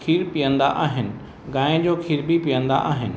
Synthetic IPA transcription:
kʰiːɾpijə̃nd̪a̰ʔaːɦɪnɪ̆ | ɡãːɪ̃d͡ʑoːkʰiːɾbʱipijə̃nd̪a̰ʔaːɦɪnɪ̆

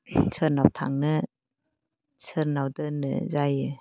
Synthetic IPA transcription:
sʰɯɾnawtʰa̰ŋnɯ | sʰɯɾnawdɯnɯ̰zajɯ

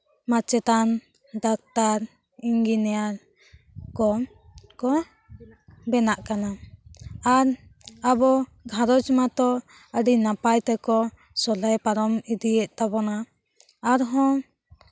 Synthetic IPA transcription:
mat͡ʃɛt̪an | ɖak̚t̪aɾ | iŋɡinɛjaɾ | kɔ | kɔ | bɛnaʔkana | aɾabɔɡʱaɾɔd͡ʒmat̪ɔ | əɖinapajt̪ɛkɔ | sɔlɛjpaɾɔmid̪iɛʔt̪abɔnaː | ɾɦɔ̃

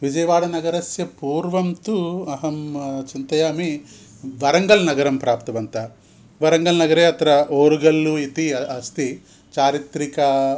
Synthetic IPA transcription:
ʋid͡ʒɐjɐʋaːɽɐnɐɡɐɾɐsjɐpuːɾʋɐmt̪uɐɦɐmt͡ʃint̪ɐjaːmi | ʋɐɾɐŋɡɐlnɐɡɐɾɐmpɾaːp̚t̪ɐʋɐnt̪ɐ | ʋɐɾɐŋɡɐlnɐɡɐɾeːɐt̪ɐɾɐoːɾuɡɐlːuit̪iɐst̪i | t͡ʃaːɾit̪ɾikɐ

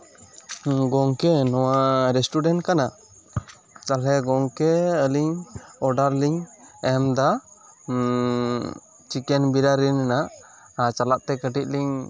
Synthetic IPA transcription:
ɡɔŋkɛnɔwaɾɛsʈuɖɛnʈkana | t͡ʃalɛɡɔŋkɛəliɲɔɖaɾliŋɛmd̪a | t͡ʃikɛnbiɾaɾinɛnaʔ | at͡ʃalaʔ̚t̪ɛkəʈic̚ˀliɲ

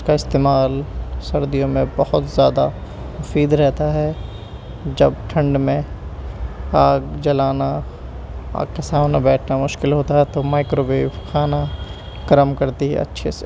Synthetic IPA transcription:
skaɪst̪eːmaːlsɐɾd̪ijõmẽbɐhʊt̪zjaːd̪a | mʊfiːd̪ɾɛɦt̪aɦɛ | d͡ʒɐb̚ʈʰɐ̃ɳɖmẽ | aːɡd͡ʒɐlaːna | a̰ːɡkesaːmnabɛːʈʰnamʊʃkɪlɦoːt̪aɦɛt̪omaːɪkɾoːbeːʋkʰaːna | ɡɐɾəmkɐɾt̪iɦɛ̰ɐ̰tːʃʰese

